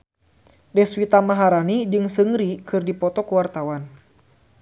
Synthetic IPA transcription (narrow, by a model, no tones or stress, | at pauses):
dɛswit̪amaɦaɾanid͡ʒɨŋsɨŋɾikɨrdipɔt̪ɔkuwart̪awan